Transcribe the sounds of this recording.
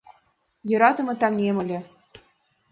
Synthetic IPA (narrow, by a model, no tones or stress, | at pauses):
jɤ̆ɾɑt̪ɤ̆mɤ̆t̪ɑŋemɤ̆lʲĕ